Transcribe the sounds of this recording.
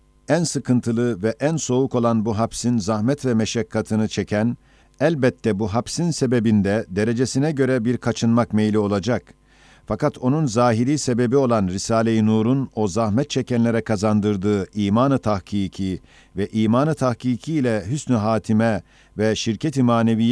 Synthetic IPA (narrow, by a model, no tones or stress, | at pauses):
ænsɯkʰɯnt̪ʰɯlˠɯvɛʔænso̞uko̞lˠanbuɦabsinzahmɛt̪vɛmɛʃɛkʰːat̪ʰɯnɯt͡ʃʰecʰæn | ælʲbɛt̪ʰːɛbuɦabsinse̞be̞bind̪ɛd̪e̞ɾe̞d͡ʒe̞sinɛɟø̞ɾɛbiɾkʰat͡ʃʰɯnmakmejlʲio̞lˠad͡ʒak | fakat̪ʰo̞nunzaːɦiɾiːse̞be̞bio̞lˠanɾisaːlʲejinuːɾuno̞zahmɛt̪̚t͡ʃʰɛcʰænlʲe̞ɾɛkʰazand̪ɯɾd̪ɯːiːmaːnɯt̪ʰahkiːcʰi | vɛʔiːmaːnɯt̪ʰahkiːcʰiːlʲɛɦysnyɦaːt̪ʰimɛ | vɛʃiɾcʰet̪ʰimaːnevij